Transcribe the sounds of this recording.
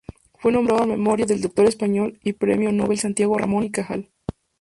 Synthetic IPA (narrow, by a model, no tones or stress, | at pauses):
fwe̞no̞mbɾaðame̞mo̞ɾjaðe̞ld̪ok̚t̪o̞ɾe̞spaɲo̞lipɾḛmjonoβelsant̪jaɣo̞ra̰monikaxa̰l